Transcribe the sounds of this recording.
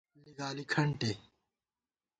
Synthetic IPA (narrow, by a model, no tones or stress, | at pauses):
lːiɡaːlikʰɐɳʈeː